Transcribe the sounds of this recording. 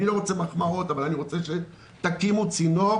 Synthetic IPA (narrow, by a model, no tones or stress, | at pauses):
ilo̞ʁot͡semaχmao̞t̪avalaniʁo̞t͡seʃe | t̪akimut͡sino